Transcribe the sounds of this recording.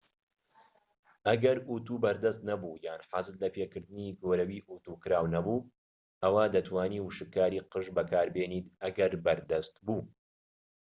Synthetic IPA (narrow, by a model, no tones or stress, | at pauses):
ʔɐɡɐɾʔut̪uːbɐɾd̪ɐst̪nɐbuːjaːnħazɨt̪lɐpʰeːkɨɾd̪ɨniːɡoːɾɐwiːʔut̪uːkɨɾaːwnɐbuː | ʔɐwaːd̪ɐt̪ʰwaːniːwɨʃɨkːaːɾiqɨʒbɐkʰaːɾbeːniːt̪ɐɡɐɾbɐɾd̪ɐst̪buː